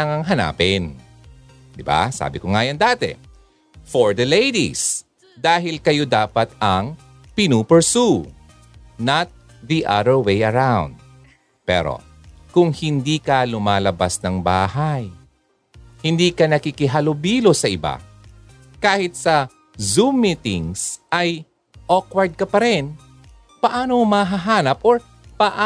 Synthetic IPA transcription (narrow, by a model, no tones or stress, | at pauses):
aŋɐŋɦɐna̰ːpɪn | d̪ɪba̰sa̰ːbɪkoŋaːjɐnd̪aːt̪ɛ̰ | foɹd̪ɐlejd̪ḭs | d̪aːɦɪlkɐjod̪aːpɐt̪ɐŋ | pɪnuːpɛɹsu | nat̪̚ | ðiʔa̰d̪əɹwejɐɹawnd̪̚ | pɛ̰ɾo̰ | kʊŋhɪnd̪iːkɐlʊmaːlɐbasnɐŋbaːɦaj | hɪnd̪iːkɐnɐkikɪɦalobiːlosɐʔɪba̰ | kaːhɪt̪̚sɐ | zumɪt̪ɪ̰ŋsʔɐj | ʔokwɐɹd̪̚kɐpɐɾɛn | pɐʔaːnomɐɦaɦaːnɐp̚ʔoɹ | pɐʔa